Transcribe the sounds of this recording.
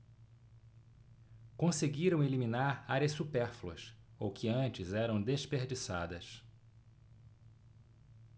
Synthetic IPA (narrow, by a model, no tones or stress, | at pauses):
kõseɡiɾɐ̃w̃elimĩnaɾaɾjɐssupɛɾfluɐ̰sowkʰɪɐ̃t͡ʃɪzɛɾɐ̃w̃d̪espeɾd͡ʒisa̰d̪ɐs